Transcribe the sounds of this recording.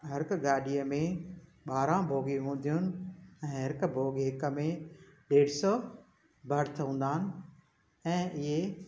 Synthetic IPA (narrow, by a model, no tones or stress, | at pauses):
ɦɐɾkɡaːɗiəmẽ | ɓaːɾãbʱoːɡiɦũːn̆d̪ʱijʊnɪ̆ɛ̃ːɦɐɾkbʱoːɡɦɪkə̆mẽɗeːɽsɔː | bʱɐɽt̪ʰɐũːnd̪aːɪnɪ̆ | ɛ̃ːɪɦe